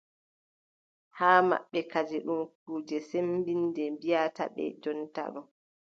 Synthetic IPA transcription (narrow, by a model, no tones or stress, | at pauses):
haːma̰ɓːɛkad͡ʒɛɗumkuːd͡ʒɛsembindɛmbijata̰ɓɛ̰d͡ʒɔnta̰ɡɔ